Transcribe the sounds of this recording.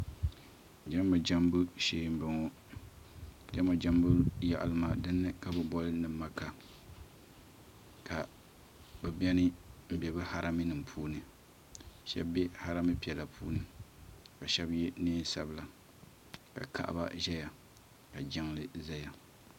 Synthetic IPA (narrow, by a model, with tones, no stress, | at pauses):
d͡ʒa˦mbɨ˨d͡ʒa˦mbɨ˦ʃeː˦m˦bɨ˨ŋɔ˦ | d͡ʒa˦ma˨d͡ʒa˦mbu˦ja̰˨ʔa̰˨lɨ˦ma˨dɨ˦nːɨ˦ka˨bɨ˦bɔ˦lɨ˦nɨ˨˦ma˦ka˨ | kʰa˨ | bɨ˨bɛ˦nɨ˦m̩˦bɛ˨bɨ˦ha˦ɾa˦mi˦nɨ˨mpʰuː˦nɨ˨ | ʃɛ̰˦bbɛ˦ha˦ɾa˦mɨ˦pi˨ɛ˨la˨pʰuː˦nɨ˨ka˨ʃɛ˦bjɛ˦niː˦n˦sa̰˦bɨ˦la˨ | ka̰˨kʰa̰˨ʔa̰˦ba̰˦ʒɛ˦ja˨ | ka˨d͡ʒɛ˦ŋlɨ˦za˦ja˨